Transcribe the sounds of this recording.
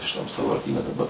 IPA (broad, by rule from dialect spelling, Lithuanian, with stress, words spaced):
ʃʲɪˈtɐm sɑːʋɐrʲˈtʲiːnʲɛ dɐˈbɐ